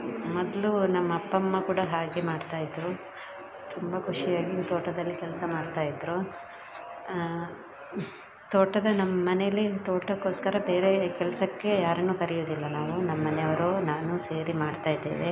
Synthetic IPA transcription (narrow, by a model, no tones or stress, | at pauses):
mɔd̪lunɐmːɐːpːɐmːɐkuːɽɐɦaːɡemaːɖt̪aːjid̪ɾu | t̪ʰumbɐkʰuʂijaːɡit̪oːʈɐd̪ɐlːikɛlɐsɐmaːɽt̪aːjid̪ɾu | t̪oːʈːɐd̪ɐnɐmːɐmɐnɛjɐlːit̪oːʈːɐkːoːskɐɾɐbe̞ːɾe̞kɛlɐsɐkːe̞jaːɾɐnuːkɐɾijoːd̪ilːɐnaːʋunɐmːɐːɐnɛɐʋɐɾoːnaːnuseːɾimaːɖt̪aːjd̪eːʋe